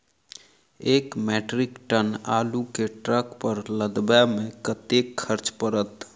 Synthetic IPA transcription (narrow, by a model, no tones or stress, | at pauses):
eːkmɛːʈɾɪkʈənaːlukeʈɾəkpəɾləd̪bamẽkət̪ekʰːəɾt͡ʃpəɾət̪